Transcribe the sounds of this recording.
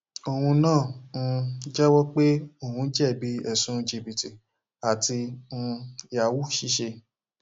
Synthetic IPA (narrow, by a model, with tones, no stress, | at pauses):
o˧hũ˧nãː˦˨n̩˧d͡ʒɛ˦wɔ˦k͡pe˦o˦˨hũ˧˦d͡ʒɛ˦˨bi˦ɛ˨sũ˦d͡ʒe˧˨bi˨ti˨ | a˨tĩ˧ | i˨a˨wu˦ʃi˦ʃe˧